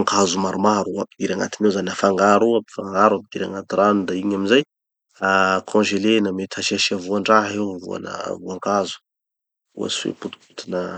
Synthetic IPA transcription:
ŋkazumaɾumaɾuaid̪iɾaŋa̰t̪inewzanafaŋɡaɾuapifaŋɡaɾapid̪iɾa̰ŋat̪iɾanud̪aiɲamizaj | akʰɔ̃ʒelenamet̪ʰaʃiaʃiavuaɳɖ͡ʐaɦewvṵa̰nə̰vuaŋkazu̥ | ṵa̰suḛput̪u̥put̪inə

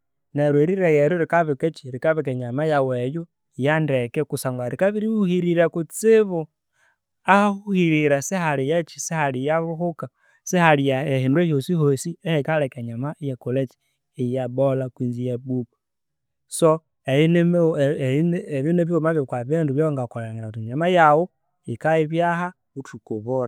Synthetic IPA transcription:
neɾweɾiɾajɛɾuɾikaβikɛt͡ʃiɾikaβekeɲamajaweju | jandɛkɛkusaŋɡaɾikaβiɾihuhiɾiɾakut͡sɪβu | ahuhiɾiɾasihalijat͡ʃi̥sihalijaβuhuka | sɛhalijaahindwejosihosiɛhɛkalɛkaɲamaijakolɛt͡ʃi̥ | ejabolakwinzijabuba | so | ein | βinɛβiomaβjokwaβinduβjɔŋɡakɔlaŋɡeɾautiɲamajawu | ikaiβjaha | utukuβoɾa

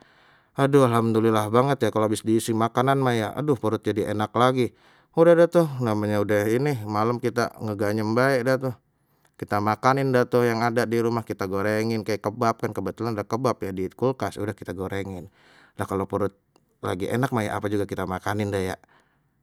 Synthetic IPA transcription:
adʊalamt̪ulilahbaŋət̪jakaloabɪsdiːsɪmakananmajaʔa̰dʊhpəɾʊt̪̚d͡ʒadiʔenaklaɡi | udahdaht̪ʊhnamaɲaudahinimalamkit̪a̰ŋəɡaɲəmbaɛʔdat̪ʊh | kit̪amakanɪndat̪ʊhjaŋadadiɾumahkit̪aɡoɾeŋɪnkajakəbap̚kankəbət̪ulanadakəbapjadikulkasudahkit̪aɡoɾeŋɪn | lahkalopəɾʊt̪̚ | la̰ɡiʔḛnak̚maja̰ʔapad͡ʒuɡakit̪amakanɪndahja̰

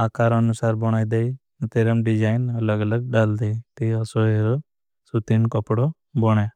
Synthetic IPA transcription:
aːkaɾənʊsaːɾbɔɽ̃aːid̪ei | t̪eɾəmɖɪd͡ʒaːɪnələɡələɡɖaːld̪eit̪iəsoeɾo | sut̪inkəpɽo | bɔɽ̃e

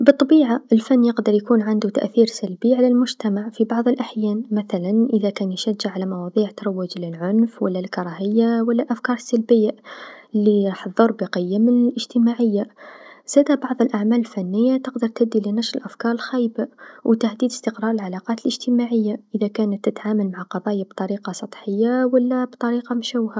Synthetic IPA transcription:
bɨt̪ˤːɑbiːʕaʔəlfanːjəqd̪ɑɾˤjakuːnʕand̪ut̪a̰ʔθiːɾsalbiʕalalmʊʒt̪amaʕfibɑʕðˤəlʔaħjæːnmaθalanʔəðakæːnjʃæd͡ʒːaʕalamɑwɑðˤiːʕt̪ɾˤɑwːɪd͡ʒlɪlʕʊnfwa̰lːalkɑɾˤɑhəjːawalːalʔafkɑːɾˤəsːalbɪjːalːiħðˤːəɾˤbiqəjːamɪnɪlʔəʒ̥t̪əmaʕəjːaz̥æd̪abɑʕðˤəlʔaʕmæləlfænːəjːat̪əqd̪əɾˤt̪æb̚d̪ːilinɑʃɾəlʔafkɑːɾˤəlxæjbawʔt̪ahd̪iːd̪əst̪əqɾˤɑːɾˤəlʕalɑqɑːt̪əlʔəʒt̪əmaʕəjːaʔəðækæːnət̪ːət̪ʕaməlmaʕaqɑðˤɑːjabt̪ˤɑɾiqɑsˤɑt̪ˤħəjːawəlːæbt̪ˤɑɾiːqɑmʃawha

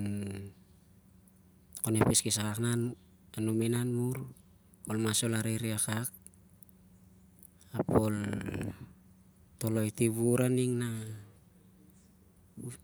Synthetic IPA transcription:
konepiskisakaknan | anuminanmuɾ | olmaso̞laɾeɾiakak̚ | apol | to̞lo̞jtiβuɾaniŋna

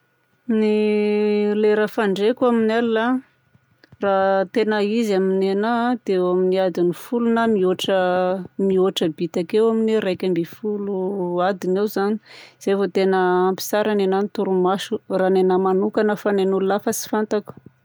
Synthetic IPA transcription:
ni | leɾafaɳɖ͡ʐekuaminalila | rat̪enəizaminenad̪eaminiad̪inifulunamioʈ͡ʂəmioʈ͡ʂəbit̪akewaminiɾajkʲambifuluad̪inewzaniz̥evot̪enəːmpi̥saɾanenanit̪uɾumaʃuranenəmanukanəfanenululafəsi̥fant̪aku̥

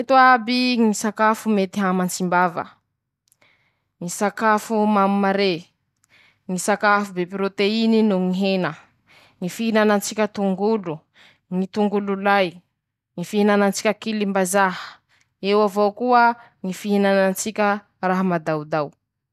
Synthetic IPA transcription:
et̪uabiŋisakafumet̪iɦamant͡simbavə̰ | ŋisakafumammaɾe | ŋisakafubepɾot̪eininuŋiɦenə | ŋifiɦinanant͡sikʲət̪uŋɡulu | ŋit̪uŋɡululaj | ŋifiɦinanant͡si̥kʲəkilimbazaɦə̥ | ewavowkuə | ŋifiɦinanant͡sikʲə | raɦamad̪awd̪aw

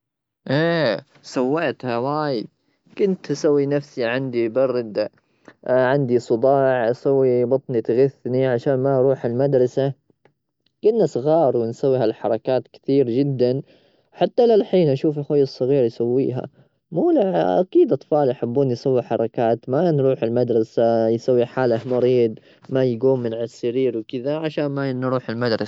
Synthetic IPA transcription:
ʔeː | sawːaːt̪hawaːjɪd̪̚ | kʊnt̪ʔasawːinafsiʕand̪ibɑrˤːɪd̪ | ʕɪnd̪isˤɨd̪ˤɑːʕʔasawːibɑt̪ˤnit̪ɪɣɪθːniʕaʃaːnmaʔɾˤuːħɪlmad̪ɾˤɑsa | kʊnːasˤɣɑːɾˤwɪnsawːihalħɑɾˤɑkaːt̪kɪ̥t̪iːɾd͡ʒɪd̪ːan | ħat̪ːalalħiːnʔaʃuːfɪlxwajːɑsˤːɨɣiːɾjsawːḭːɦa̰ | muːlaʕʔa̰kiːd̪ʔɑt̪ˤfɑːlʔaħabːuːnjsawːiħɑɾˤɑkaːt̪manɾuːħɪlmad̪ɾˤɑsajsawːiħaːlahmɑɾiːd̪ˤ | majɡuːmːɪnʕasːɪɾiːɾwkɪðaʕaʃaːnmanːɾˤuːħɪlmad̪ɾˤɑsa

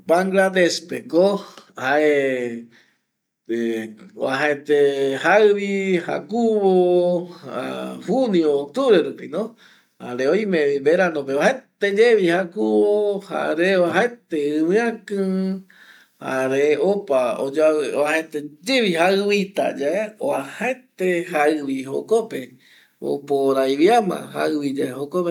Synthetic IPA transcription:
paŋɡlad̪espekohaʔe | eoaɦaet̪ehaɨβiha̰kuβoha̰huniot̪uɾeɾupinõ | ha̰ɾeoj̃mẽibeɾanõpeβaɦet̪ed͡ʒeβihakuβoha̰ɾeoaɦaet̪eɨwɨ̃ãkɨ̃ | ha̰ɾeopaod͡ʒaahet̪ed͡ʒeβihaɨwit̪a̰d͡ʒaeo̰ahet̪ehaɨβiho̰kope | o̰poɾajβiamã̰ha̰ɨwid͡ʒaeɦokope

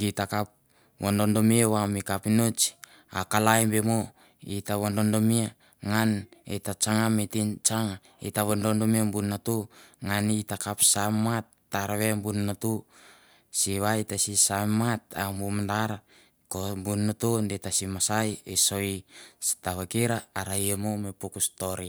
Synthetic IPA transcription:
ɡitakap̚ | wondondomiewamikapinot͡ʃ | akalajbemo | itaβondondomia | ŋanetat͡ʃaŋametint͡ʃaŋa | ḭtaβondondomiambunːatuŋanitakapsamatːaɾaβembunnatu | siβaitasisamːatambumandaɾa | kombunːotondetasimasajeso̞jstaβakeɾaːɾajemomepukustoɾi

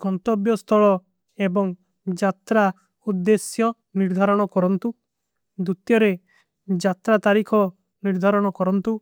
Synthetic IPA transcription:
kɔnt̪ɔbjɔst̪ʰɔɭɔ | ebɔŋ | d͡ʒat̪ɾa | ud̪ːesjɔ | niɾd̪ʱaɾɔɽ̃ɔkɔɾɔnt̪u | d̪ut̪jɔɾe | d͡ʒat̪ɾat̪aɾikʰɔ | niɾd̪ʱaɾɔɽ̃ɔkɔɾɔnt̪u

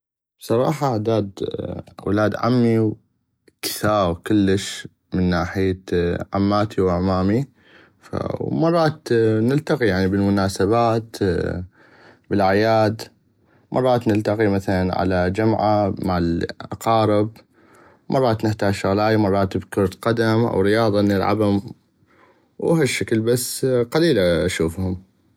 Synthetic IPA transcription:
bsˤɑɾˤɑ̰ːħɑaʕd̪aːd̪wɪ̰laːd̪ʕa̰mːiw | kɪ̥θaːɣkʊlːəʃ | mɪnːaːħɪjaʕa̰mːaːt̪ʰiwaʕmaːmi | fa̰wmɑrˤːɑːt̪nɪlt̪aqijaʕnibəlmʊnaːsabaːt̪ | bɪlʕajaːd̪ | mʔɑ̰rˤːɑːt̪nɪlt̪aqimaθalanʕa̰lad͡ʒamʕamaʕalʔɑqɑːɾɪb | mʔɑrˤːɑːt̪nɪħt̪aːd͡ʒʃʊɣlaːjamɑrˤːɑːt̪bkʊɾˤt̪qɑd̪amʔa̰wɾɪjɑːðˤɑnɪlʕa̰bhʊm | wɦaʃːaklbasːqaliːlaʔaʃuːfhʊm

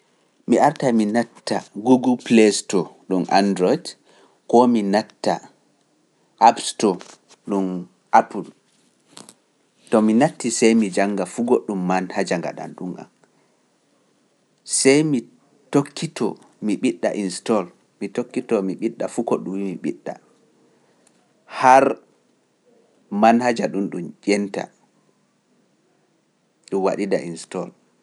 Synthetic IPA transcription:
miaɾtaminatːaɡuɡulplestɔɗumʔa̰ndɾɔjd | kɔminatːa̰ | ʔapstɔ | ɗum | ʔapul | tɔminatːisɛjmid͡ʒaŋɡafuɡoɗːumːanhad͡ʒaŋɡa̰ɗa̰nɗumʔa̰n | sɛjmi | tokːitɔ̰ | miɓiɗːa̰ʔinstɔl | mitokːitɔmiɓiɗːafukɔɗumwimiɓḭɗːa̰ | haɾ | manhad͡ʒaɗunɗumd͡ʒɛnta̰ | ɗumwaɗida̰ʔinstɔl

